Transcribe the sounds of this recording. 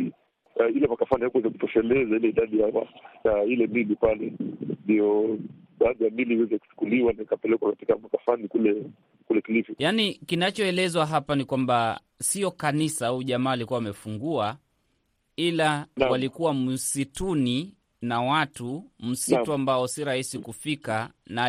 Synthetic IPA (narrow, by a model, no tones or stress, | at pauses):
ilɛmakafanihakwɛzaku̥tɔfɛlɛzailɛiɗaɗihawa̰jailɛmilipalɛndijɔ | ɓaːðijamiliwɛzɛku̥t͡ʃu̥kuliwanaikapɛlɛkwakati̥kamakafanikulɛ | kulɛkilifujanikinat͡ʃɔɛlɛzwaɦapanikwamba | siɔkanisaauʄamaːlikuawamɛfuŋɡua | ilawalikuwam̩situni | nawatum̩situambaɔsiɾahisikufikana